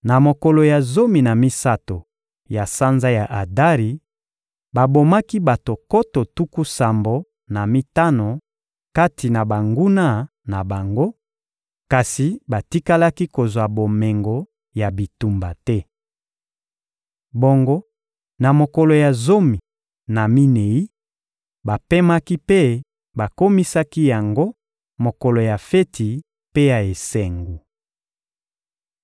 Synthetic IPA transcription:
na˨mo˨ko˨lo˨ja˨zo˦mi˨na˨mi˦sa˦to˨ | ja˨sa˦nza˦ja˨ʔa˨da˦ʁi˨ | ba˨bo˨ma˦ki˦ba˨to˨ko˦to˨tu˦ku˦sa˨mbo˨ | na˨mi˦ta˦no˨ | ka˦ti˨na˨ba˨ŋɡu˦na˦ | na˨ba˨ŋɡo˦ | ka˨si˨ba˨ti˦ka˦la˦ki˦ko˨zwa˨bo˨me˨ŋɡo˨ | ja˨bi˨tu˨mba˨tɛ˦ | bo˦ŋɡo˦ | na˨mo˨ko˨lo˨ja˨zo˦mi˨ | na˨mi˦ne˨i˦ | ba˨pe˦ma˦ki˦pe˦ | ba˨ko˦mi˦sa˦ki˦ja˨ŋɡo˦ | mo˨ko˨lo˨ja˨fe˦tʰi˨ | pe˦ja˨e˨se˨ŋɡu˨

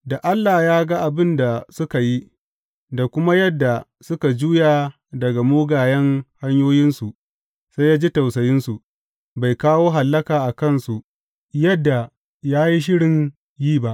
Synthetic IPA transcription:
da˨ʔa˦lːaː˨jaː˦ɡa˦ʔa˨bɪ˦nda˨sʊ˦ka˨ji˦ | da˨kʷʊ˦ma˦jɐ˦dːa˨ | sʊ˦ka˨d͡ʒuː˦jaː˨ | dɐ˨ɡa˨moː˦ɡaː˨jɛ˦ŋha˦ɲjoː˦jɪ˦nsu˨ʔ | sa˦jaː˦d͡ʒi˦ta˨wsɐ˨jɪ˦nsu˨ʔ | ba˨jkaː˦woː˦ɦa˨lːɐ˦kaː˨ʔa˨kɐ˦nsu˨ʔ | jɐ˦dːa˨ | jaː˦ji˦ʃ̬ɪ˦ɽɪ˨ɲ | jiː˦ba˦ʔ

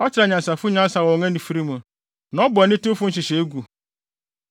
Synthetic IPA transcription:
ɔ˦t͡ɕɪ˨ɾa˨ɲã˨sa˨fʊ˦ɲã˦n˦sa˨wɔ̃˨ŋɛ̃˦nĩ˨fi˦ɾi˦mã˨ | nã˨˦ɔ˦bnɪ̃˦tu˦fʊ˦ɕɪ˨ɕe˨e˦ɡu˨

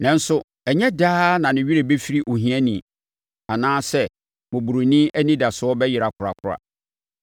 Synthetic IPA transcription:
nã˦n̩˦sʊ˦ | ɛ˨ɲɛ̃˦daː˦nã˨nɪ̃˨ɥi˦ɾe˨be˦fi˦ɾi˦ʔo˨ɦĩ˨˦ɛ̃˦nĩ˨ | a˨nãː˦sɛ˦ | mʊ̃˨bu˨ɾu˨nĩ˦æ˦nĩ˦da˨sʊ˨ɔ˦bɛ˦jɪ˨ɾa˨kʰʊ˨ɾa̰˨kʰʊ˦ɾa̰˨

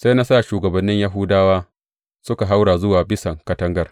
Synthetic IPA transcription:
sa˦na˦saː˦˨ʃuː˨ɡɐ˨bɐ˨nːɪ˦ɲja˦ɦʊ˦daː˦waː˦ | sʊ˦ka˨ɦa˦wɽaː˨zʊ˦waː˨bɪ˦sɐ˨ŋkɐ˦tɐ˦ŋɡɐ˦˨r

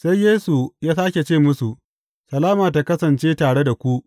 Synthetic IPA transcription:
sa˦jjeː˦su˨jaː˦saː˦kʲe˨t͡ʃeː˦˨mʊ˦su˨ | sɐ˨laː˦maː˨t̬a˨kɐ˦sɐ˨nt͡ʃeː˦taː˨ɽe˦da˨kʷu˦ʔ

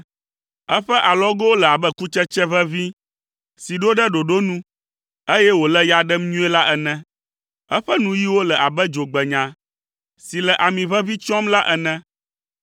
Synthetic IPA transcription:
ɛ˦ɸɛ˦ʔa˨lɔ˦ɡo˦wo˦lə˨a˨bə˦ku˦t͡ʃɛ˦t͡ʃɛ˦βɛ˦vi˦ | si˨ɖo˦ɖə˦ɖo˨ɖo˦nũ˦ | e˦jɛ˦wo˨lɛ˦ja˨ɖɛ˦mɲũ˦ɛ˦la˦ʔɛ˨nɛ̃˦ | ɛ˦ɸɛ˦nũ˦ji˦wo˦lə˨a˨bə˦d͡ʒo˨ɡ͡bɛ˨ɲã˨ | si˨lə˨ʔa˨mĩ˨βɛ˦vi˦t͡ʃɔ˦mla˦ʔɛ˨nɛ̃˦

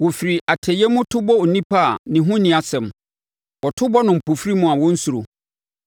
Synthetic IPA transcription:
wo˨fi˨ɾi˨a˨tʰɛ˨jɛ˦mʊ̃˦tʰʊ˦bɔ˦o˨nĩ˦pʰa˦a˨nɪ̃˨ɦʊ̃˦nĩ˨˦a˨sɛ̃˨m | wɔ˨tʰʊ˦bɔ˦nʊ̃˨m̩˨pʰo˨fɾi˦mʊ̃˦a˨wɔ̃˦n̩˦su˨ɾo˨

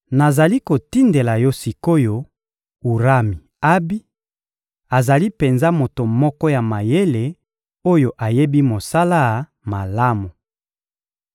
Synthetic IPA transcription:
na˨za˨li˦ko˨ti˦nde˨la˨jɔ˦si˨ko˦jo˦ | u˨ʁa˦mi˨ | a˦bi˦ | a˨za˨li˦pe˨nza˦mo˨to˨mɔ˦kɔ˦ja˨ma˨je˦le˨ | o˦jo˨ʔa˨je˦bi˦mo˨sa˦la˦˨ | ma˨la˦mu˨

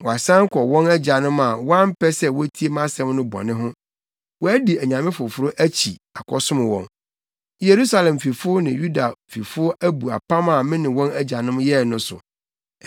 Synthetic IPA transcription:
wɔ˨a˨sã˦ŋ˦kʰɔ˨wɔ̃˦næ˦d͡ʑa˨nʊ̃˦ma˨wɔ˦a˦m̩˦pʰɛ˦sɛ˦wɔ˦tʰi˦e˦mã˦sɛ̃˦mnʊ̃˦bɔ̰˨nɪ̃˦ɦʊ̃˦ | wɔ˦æ˦di˨æ˨ɲã˨mɪ̃˦fʊ˨fʊ˨˦ɾʊ˦ʔæ˦t͡ɕʰi˨a˨kʰɔ˨sʊ̃˦mɪ̃˨wɔ̰̃˨n | je˨ɾu˦sa˨lɛ̃˨m˨fi˨fʊ˦ʊ˦nɪ̃˨ju˦da˨fi˨fʊ˦ʊ˦æ˦bu˨a̰˨pʰã˦ma˨mɪ̃˦nɪ̃˨wɔ̃˦næ˦d͡ʑa˨nʊ̃˦mjɛ˦˨nʊ̃˦sʊ̰˨

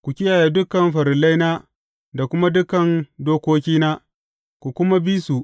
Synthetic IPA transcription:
kʷu˨kʲɪ˦jaː˨jaː˦dʊ˦kɐ˨mɸɐ˨ɾɪ˨la˦jnaː˦ | da˨kʷʊ˦ma˦dʊ˦kɐ˨ndoː˦kʷoː˦k̬ʲiː˦naː˦ | kʷu˨kʷʊ˦ma˦bi˦su˨ʔ

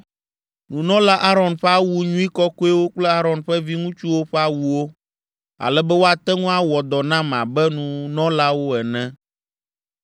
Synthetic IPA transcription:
nũ˨nɔ̃˦la˦ʔa˦ɾɔ˨nɸɛ˦a˦wu˦ɲũ˦i˦kɔ˦ko˦ɛ˦wo˦k͡plɛ˦a˦ɾɔ̃˨nɸɛ˦vi˦ŋũ˦t͡ʃu˦wo˦ɸɛ˦a˦wu˨wo˦ | a̰˨lɛ˦bɛ˦wo˦a˨t̪ɛ˦ŋũ˦a˦wɔ˨d̪ɔ˨nã˦m˨ã̰˨bɛ˦nũ˨nɔ̃˦la˦wo˦ɛ˨nɛ̃˦

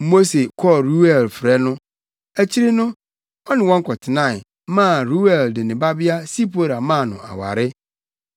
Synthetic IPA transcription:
mo˦se˨kʰɔ˦ɾu˦ɛ˨lfɾɛ˦nʊ̃˦ | æ˨t͡ɕʰi˦ɾɪ˦nʊ̃˦ | ɔ˦nɪ̃˨wɔ̃˦ŋ̩˦kʰɔ˨tʰɪ˨nã˦˨ɪ˨ | mã˦˨ɾu˦wɛ˨ldɪ˨nɪ̃˨ba˦bɪ˦a˦si˦pʰo˦˨ɾa˨mã˦˨nʊ̰̃˨a̰˨wa̰˨ɾɪ˦

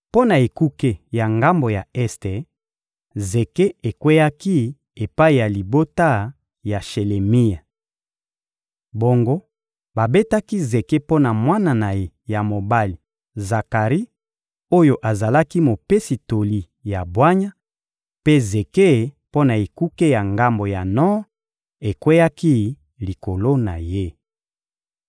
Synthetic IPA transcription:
po˦na˨e˨ku˦ke˦ja˨ŋɡa˦mbo˨ja˨ɛ˦ste˨ | ze˨ke˦e˨kwe˦ja˦ki˦ | e˨pa˦i˨ja˨li˨bo˦ta˦ | ja˨ʃe˨le˨mi˦ja˨ | bo˨ŋɡo˦ | ba˨be˦ta˦ki˦ze˨ke˦po˦na˨mwa˦na˨na˨je˦ | ja˨mo˨ba˦li˨ | za˨ka˨ʁi˦ | o˦jo˦ʔa˨za˨la˦ki˦mo˨pe˦si˨to˨li˦ | ja˨bwa˦ɲa˦ | pe˦ze˨ke˦˨˦po˦na˨e˨ku˦ke˦ja˨ŋɡa˦mbo˨ja˨nɔ˦ | e˨kwe˦ja˦ki˦ | li˨ko˨lo˦na˨je˦

